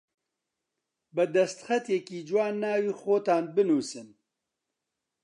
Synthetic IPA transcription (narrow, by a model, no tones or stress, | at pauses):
bɨd̪ɛst̪xɛt̪jɛkiːd͡ʒwaːnːaːwiːxoːt̪aːnbɨnuːsɨn